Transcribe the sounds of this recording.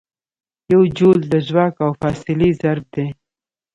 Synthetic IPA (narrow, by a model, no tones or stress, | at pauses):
jawd͡ʒold̪əʒwakawfɑːsɪlizaɾb̚d̪e